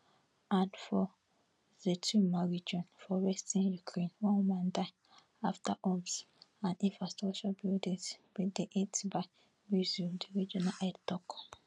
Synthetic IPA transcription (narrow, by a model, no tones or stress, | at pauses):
ãnfɔ | zetʰumaɹid͡ʒɔ̃nfɔwɛstĩnjukʰɹẽnwɔ̃nmãndaɪ | aftaʔɔms | ãnĩnfɹastɹat͡ʃabildĩswideʔetbaɪ | mjuzildiɹid͡ʒɔnaʔɛdtɔk